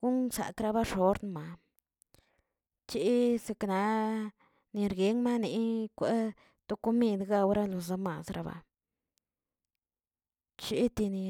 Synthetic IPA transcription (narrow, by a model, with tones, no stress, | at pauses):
ɡ̥u˦nsa̰˨kɾa˧ba˦ʂo˨˦ɾnma˨ | t͡ʃi˧˦se˧kna˧ | ni˧ɾɡe˨˦ŋma˦ni˨kʷe˦ | t̪o˧˦ko˦mi˧d̪ɡa˧wɾa˦lo˨za˧ma˨sɾa˧ba̰˨ | t͡ʃi˧˦t̪i˧ni˧